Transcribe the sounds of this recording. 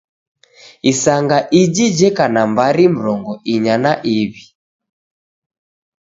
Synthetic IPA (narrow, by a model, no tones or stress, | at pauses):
isaŋɡaʔid͡ʒid͡ʒɛkanambaɾim̩ɾɔŋɡɔʔiɲanaʔiβi